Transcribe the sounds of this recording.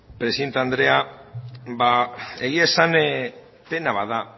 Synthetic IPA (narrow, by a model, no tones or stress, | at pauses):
pɾesient̪and̪ɾe̞a | baeɣiasan | pe̞naβaða